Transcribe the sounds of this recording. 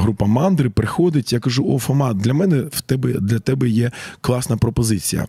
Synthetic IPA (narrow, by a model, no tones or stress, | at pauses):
ɦɾupɐmɑnd̪ɾɪpɾɪxɔd̪ɪtʲjakɐʒuɔfɔmɑd̪lʲɐmɛnɛwt̪ɛbɛd̪lʲɐt̪ɛbɛjɛklˠɑsnɐpɾɔpɔzɪt͡sʲijɐ̰